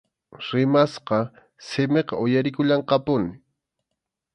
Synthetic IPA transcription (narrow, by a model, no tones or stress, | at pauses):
ɾɪmasqɑ | sɪmeqɑoʊjaɾɪkʊʎɑɴqɑpʊnɪ